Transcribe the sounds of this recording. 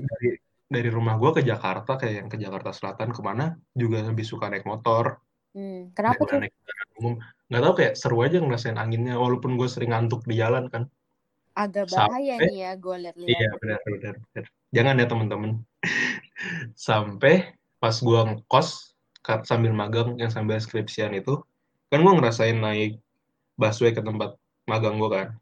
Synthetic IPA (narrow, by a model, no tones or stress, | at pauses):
daɾi | daɾiɾumahɡuakəd͡ʒakart̪akajaʔjaŋkəd͡ʒakart̪asəla̰t̪ankəmanad͡ʒuɡaləbɪhsukanɛk̚mot̪ɔr̩ | kənaatanɛk̚aɾanumʊmŋɡaʔt̪aukajaʔsəɾuad͡ʒaŋərasaɪnʔa̰ŋɪnɲawalaupʊnɡuasəɾɪŋant̪̬ʊk̚did͡ʒalankan | aɡabaajaɛjaɡlijabənərbədərbənər | d͡ʒaŋanjat̪əmənt̪əmən | sampɛ | pasɡuakɔs | kasambɪlmaɡaŋjaŋs̬ambɪlskɾɪpsianit̪u | kanɡuaŋəɾasaɪnːaɪk̚ | baswekət̪əmpat̪̚ | maɡaŋɡuakan